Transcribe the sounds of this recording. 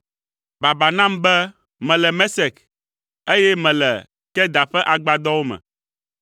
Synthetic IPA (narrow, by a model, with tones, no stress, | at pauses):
ba˨ba˨nã˦mbɛ˦ | mɛ̃˨lɛ˨mɛ˦sɛ˨k | e˦jɛ˦mɛ̃˨lɛ̰˨ | kɛ˦d̪a˨ɸɛ˦ʔa˨ɡ͡ba˨d̪ɔ˦wo˦mɛ̰̃˨